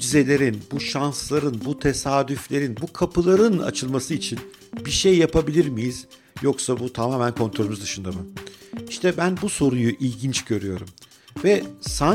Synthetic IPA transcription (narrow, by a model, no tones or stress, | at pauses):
d͡ʒize̞lʲe̞ɾinbuʃanslˠaɾɯnbut̪ʰe̞saːd̪yflʲe̞ɾinbukʰapʰɯlˠaɾɯna̰t͡ʃʰɯlˠmasɯit͡ʃʰin | biɾʃejːapʰabilʲiɾmijiz̥ | jo̞ksabut̪ʰamaːmænkʰo̞nt̪ɾolʲymuzd̪ɯʃɯnd̪amɯiʃt̪ʰɛbænbuso̞ɾujuʔilʲɟint͡ʃɟø̞ɾyjo̞ɾum | vɛsa